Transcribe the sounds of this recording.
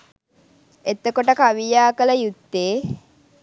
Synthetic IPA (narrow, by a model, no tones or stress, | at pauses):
et̪əkoʈəkaʋijaːkələjut̪ːeː